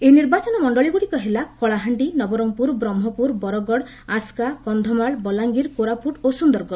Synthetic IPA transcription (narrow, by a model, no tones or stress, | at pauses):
eniɾbat͡ʃɔnɔmɔɳɖɔɭiɡuɽikɔɦelakɔɭaɦaɳɖinɔbɔɾɔŋpuɾbɾɔmɦɔpuɾbɔɾɔɡɔɽ | askakɔnd̪ʱɔmaɭbɔlaŋɡiɾkoɾapuʈosund̪ɔɾɡɔɽ